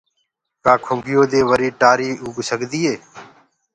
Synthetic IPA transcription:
kaːkʰʊŋɡʱɪjoːd̪eːʋəɾiːʈaːɾiːuːɡsəɡd̪iːɦeː

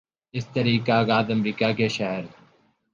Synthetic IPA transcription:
ɪst̪əɾiːkaːɡaːd̪əmɾiːkaːkeʃɛɦəɾ

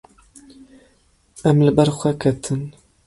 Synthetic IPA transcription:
ʔæmlɨbɛɾxʷɛkʰɛt̪ʰɨn

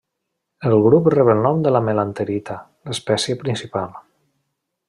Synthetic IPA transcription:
əlˠɣɾuprɛβəlˠnɔmd̪əlamelant̪əɾit̪a | ləspɛsjəpɾinsipalˠ

